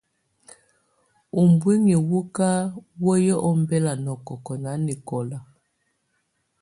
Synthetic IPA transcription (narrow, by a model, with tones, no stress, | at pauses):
o˨mbwi˦ŋi˨wu˦ka˦wɔ˦jɔ˦ʔɔ˦m˦bɛ˦la˨nɔ˨kɔ˨kɔ˨na˨˦ni˨kɔ˨la˨